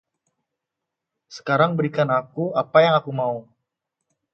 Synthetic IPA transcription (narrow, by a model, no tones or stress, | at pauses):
sə̥kaɾaŋbəɾikanakuapajaŋakumau